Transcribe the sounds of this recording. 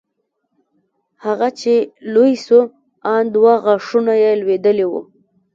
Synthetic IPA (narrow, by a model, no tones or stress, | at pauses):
haɣat͡ʃelojsu | ɑnd̪waɣaʂunajelwed̪əlewṵ